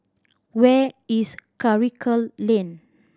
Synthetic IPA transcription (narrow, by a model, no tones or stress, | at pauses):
wɛiskaɹikʰəlːẽn